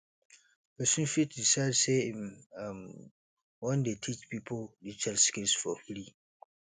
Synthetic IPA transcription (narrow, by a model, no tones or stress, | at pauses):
pɛsũnfitdisaɪdsemm | wɛ̃ndetʰit͡ʃpʰipʰoldit͡ʃʰɛlskilsfɔfli